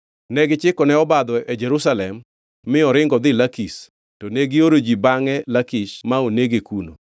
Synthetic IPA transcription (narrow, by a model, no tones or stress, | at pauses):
nɛɡɪt͡ʃɪkɔnɛɔbad̪ɔʔɛd͡ʒɛɾusalɛmː | ɪɔɾɪŋɡɔd̪ɪlakis | toneɡioɾod͡ʒibaŋɛlakiʃmaoneɡekuno̰